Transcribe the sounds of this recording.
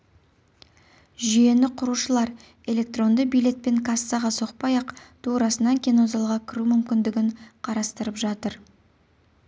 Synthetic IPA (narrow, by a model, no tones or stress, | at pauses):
ʒʏje̞nɪqʰʊɾuʃəlˠɑɾ | e̞le̞k̚t̪ro̞nd̪əbijle̞t̪̚pe̞ŋkʰɑsːɑʁɑso̞q̚pɑjɑqt̪ʰuɾɑsənɑŋkʲʰino̞zɑlˠʁɑkʲʰɪɾumʏmkʲɪnd̪ɪɡʲɪɴqʰɑɾɑst̪əɾəpʒɑt̪əɾ